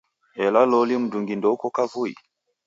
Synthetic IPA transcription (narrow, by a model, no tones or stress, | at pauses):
ʔɛlalɔlimuduŋɡindɔwkɔkavujḭ